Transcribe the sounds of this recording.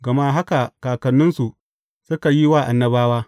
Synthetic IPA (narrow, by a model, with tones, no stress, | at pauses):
ɡɐ˨ma˦ɦa˦ka˨kaː˨kɐ˨nːʊ˦nsu˨ʔ | sʊ˦ka˨ji˦waː˦˨ʔa˨nːɐ˦baː˦waː˦